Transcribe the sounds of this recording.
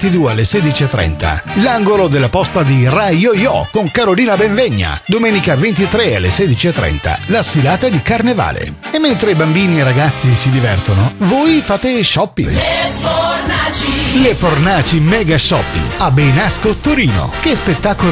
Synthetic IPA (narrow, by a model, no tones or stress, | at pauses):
t̪id̪uːealːeseːd̪it͡ʃiet̪ːɾɛ̰nt̪a̰laŋɡolod̪elːapɔst̪ad̪irajɔjɔ̰koŋkaɾoliːnabeɱveɲːa̰d̪omɛːnikavent̪it̪ɾealːeseːd̪it͡ʃiet̪ːɾɛ̰nt̪a̰lasfilaːt̪ad̪ikarneva̰ːlḛemːent̪ɾeibambiːnieraɡat̪sːisid̪ivɛrt̪onovoːjfaːt̪eʃɔpːḭ | lefornaːt͡ʃimɛɡaʃːɔpːḭabːejnaskot̪oɾiːno̰kespet̪ːaːko